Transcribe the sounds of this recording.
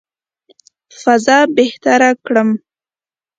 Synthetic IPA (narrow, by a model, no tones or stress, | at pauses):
fazɑbeht̪aɾakɽəm